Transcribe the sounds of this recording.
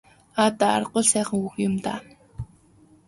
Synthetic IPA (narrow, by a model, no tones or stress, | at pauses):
at̪aa̰rɢʊːɮsæːχə̆ŋuxjʊmt̪aː